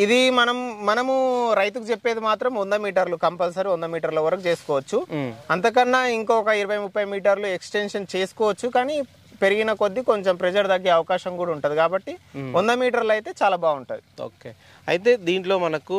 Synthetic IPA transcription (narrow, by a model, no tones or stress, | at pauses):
id̪imɐnɐmːɐnɐmuɾɐjt̪̬ukut͡ʃe̞pːeːd̪imaːt̪ɾɐmond̪ɐmiːʈɐɾlukɐmpɐls̬ɐɾiond̪ɐmiːʈɐɾlɐʋɐɾɐkut͡ʃe̞ːsu̥kɔːʋɐt͡ʃːuɐnt̪ɐk̬ɐnːaːiŋkɔːkɐiɾɐʋɐjmupːɐjmiːʈɐɾlueksʈenʂɐnt͡ʃe̞ːsu̥kɔːʋɐt͡ʃːukaːniː | pe̞ɾiɡinɐko̞d̪ːiko̞ɲt͡ʃompɾɛd͡ʒɐɾd̪ɐɡeːɐʋɐkaːʃɐŋkuːɽauɳʈund̪ikaːbɐʈːiond̪ɐmiːʈɐɾlɐjt̪e̞ːt͡ʃaːlaːbaːɡuɳʈɐːd̪io̰ːke | ɐ̰jt̪̬e̞ːd̪iːɳʈlo̞ːmɐnɐku